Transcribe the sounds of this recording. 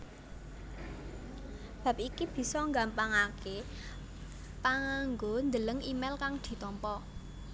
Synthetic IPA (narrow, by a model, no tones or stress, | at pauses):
b̥a̤p̚ikib̥i̤sɔŋɡampaŋakʰe | paŋaŋɡond̪ələŋimɛlkaŋd̪̥i̤t̪ɔmpɔ